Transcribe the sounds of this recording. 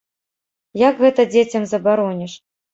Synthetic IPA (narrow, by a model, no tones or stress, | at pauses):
jaɡɣɛt̪ɐd͡zʲet͡sʲɐmzɐbaɾɔnʲɛʂ